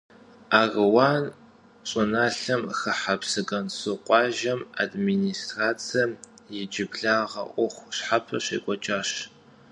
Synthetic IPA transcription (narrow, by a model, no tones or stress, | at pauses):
aːrɨwaːn | ɕʼɨnaːɬɐmxɐħapsɨɡɐnsɨqʷʼɑːʒɐma̰dminiːstraːt͡sʰɐmjɪd͡ʒɪbɮaːʁɐ̰ʔʷʊχʷɕħapʰɐɕḛːkʷʼɔt͡ʃʼaːɕ